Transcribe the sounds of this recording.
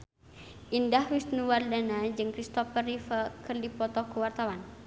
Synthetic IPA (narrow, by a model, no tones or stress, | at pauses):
ʔindahwist̪nuwardanad͡ʒɨŋkɾist̪ɔfərifəkɨrdipɔt̪ɔkuwart̪awan